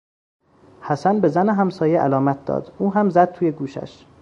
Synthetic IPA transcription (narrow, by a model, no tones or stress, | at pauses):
hæsænbe̞zæneɦæmsɒːjeʔælɒːmæt̪̚ʰd̪ɒ̰ːd̪uːɦæmzæd̪̥̚t̪ʰuːjeɡuːʃæ̰ʃ